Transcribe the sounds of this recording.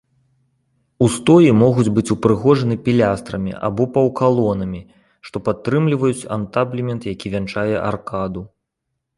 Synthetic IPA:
ust̪ɔjimɔɣud͡zʲbɨt͡sʲupɾɨɣɔʐɐnɨpʲilʲast̪ɾɐmʲḭʔa̰bɔpɐwkalˠɔnɐmʲi | ʂt̪ɔpat̪ːɾɨmlʲivɐjut͡sʲa̰nt̪ablʲimʲɛnt̪jakʲivʲant͡ʂajɛʔa̰rkad̪u

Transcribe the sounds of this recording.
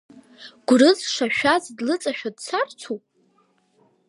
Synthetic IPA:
ɡ̥ʷʊrɨzʂaʃᶣazdlɨt͡sʼaʃᶣadt͡sʰart͡sʰupʼ

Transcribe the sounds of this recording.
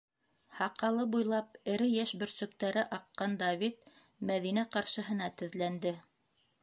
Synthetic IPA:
hɑqɑlˠɤbujlˠɑp̚ɘ̆ɾɘjæʃbɵ̆ɾsɵ̆k̚t̪æɾɘʔɑqːɑnd̪ɑvʲit̪̚ | mæðinæqɑɾʃɤ̆ɦɤ̆nɑt̪ɘ̆ðlænd̪ɘ

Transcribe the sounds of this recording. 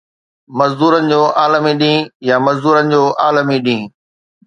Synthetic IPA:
mɐzd̪uːɾənɪ̆d͡ʑoːʔaːləmiɗĩːjamɐzd̪uːɾənɪ̆d͡ʑoːʔaːləmiɗĩː

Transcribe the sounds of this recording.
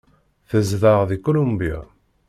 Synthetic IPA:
θəzðəʁðikulumbija̰

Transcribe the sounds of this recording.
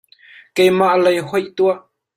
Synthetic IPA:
kɛjmaʔlɐjɦɔjʔt̪uaʔ

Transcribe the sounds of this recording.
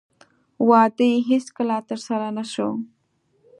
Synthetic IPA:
wɑd̪əjɦeskəlat̪əɾsaɾanaʃo

